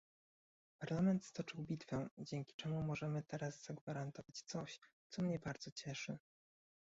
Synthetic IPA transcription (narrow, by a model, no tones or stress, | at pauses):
paɾlamɛnt̪st̪ɔt͡ʂɘwbʲit̪fɛd͡ʑɛŋkʲi̥t͡ʂɛmumɔʐɛmɘt̪ɛɾazz̥aɡvaɾant̪ɔvat͡ɕt̪sɔɕt̪sɔmɲɛbaɾd̪z̥ɔt͡ɕɛʂɘ